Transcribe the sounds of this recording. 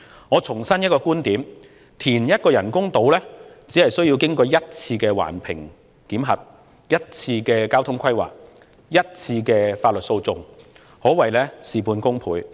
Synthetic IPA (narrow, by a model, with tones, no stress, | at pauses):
ŋɔː˨˧t͡sʰʊ˨˩ŋsɐ˥njɐ˥t̚kɔː˧kuː˥nt̪iː˨˥m | t̪ʰiː˨˩njɐ˥t̚kɔː˧jɐ˨˩nkʊ˥ŋt̪o˨˧˥wlɛː˥t͡si˨˥hɐ˨˩jsɵ˥ɥji˧wkɪ˥ŋkɔː˧jɐ˥t̚t͡sʰiː˧kɛː˧wa̰ː˨˩npʰɪ̰˨˩ŋ | k̪iː˨˥mɦɐ˨p̚ | jɐ˥t̚t͡sʰiː˧kɛː˧kaː˥wt̪ʰʊ˥ŋkʰɐ˥jwa̰ː˨k̚ | jɐ˥t̚t͡sʰiː˧kɛː˧faː˧t̚lɵ˨t̚so˧wt͡sʊ˧ŋ | hɔː˨˥wɐ˨˩jlɛː˥siː˨puː˧nkʊ˥ŋpʰuː˨˧j